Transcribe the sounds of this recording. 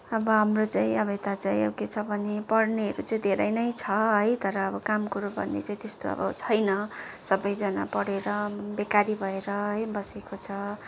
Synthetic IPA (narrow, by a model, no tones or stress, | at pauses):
ʌbʌɦamrot͡saĩʌbet̪at͡saĩʌ̰wket͡sʰʌbʱʌnepʌɽniɦʌɾut͡saĩd̪ʱeɾʌjnʌjt͡sʰʌɦʌjt̪ʌɾʌːbʌkamkuɾobʱʌ̰nːḛt͡saĩt̪est̪oʌ̰bʌ̰t͡sʰʌjnʌsʌbʌjd͡zʌna̰pʌɽeɾʌbekaɾibʱʌeɾʌɦʌjbʌsekot͡sʰʌ